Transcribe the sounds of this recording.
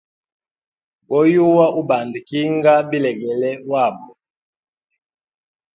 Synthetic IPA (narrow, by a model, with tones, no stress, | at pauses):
ɡɔ˦ju˦wa˦ʔu˦ba˨ndi˨ki˦ŋɡa˦bi˦lɛ˨ɡɛ˨lɛ˦wa˦˨bɔ˨